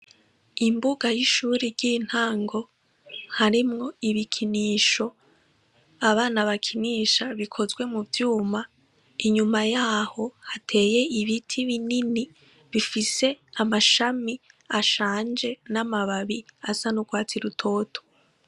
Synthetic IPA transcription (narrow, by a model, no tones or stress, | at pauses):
imbuɡajiʃuːɾiɾɟiːn̥haːŋɡo̞ | haɾimŋo̞iβikʰiniːʃo̞ | aβaːnaβakʰiniːʃaβikʰo̞zɡwe̞muvjuːma | iɲumajaːho̞hatʰe̞ːje̞iβitʰiβinini | βifise̞amaʃamiaʃaːnd͡ʒe̞namaβaβiasanuɡwaːt͡siɾutʰo̞ːtʰo̥